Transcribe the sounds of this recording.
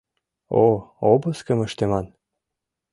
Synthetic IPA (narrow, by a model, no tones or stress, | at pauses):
oobɤ̆skə̆mə̆ʃt̪emɑn